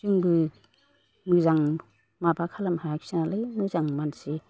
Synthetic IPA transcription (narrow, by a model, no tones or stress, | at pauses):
zɯŋbɯ | mɯzaŋ | mabakʰalamhaaksinalajmɯzaŋmansi